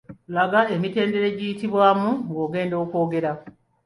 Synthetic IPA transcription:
laɡae̞mite̞ːnde̞ɾe̞ɟijitiβwaːmuŋɡo̞ːɡe̞ːndo̞ːko̞ːɡe̞ɾa

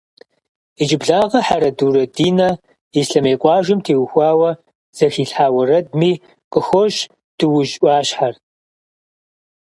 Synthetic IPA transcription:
id͡ʒɪbɮaːʁɐħaɾɐduːɾɐdiːnɐ | isɬɐmeːqʷʼɑːʒɨmtʰeːwxʷɑːwɐ | z̥ɐxiːɬħaːwɐrɐd̚miː | qʼəxʷɔʃ | d̥ɨwʊʒʔʷɑːɕħar

